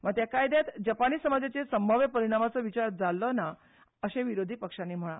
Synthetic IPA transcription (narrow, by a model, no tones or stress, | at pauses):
ʋət̪jakajd̪jat̪d͡ʑapaniːsəmad͡zat͡sesəmbʱəʋjəpəɾiɽ̃amat͡sɔʋit͡ɕaɾd͡zalːɔna | əɕẽʋiɾod̪ʱiːpəkʂanːim̤əɭ̃a̰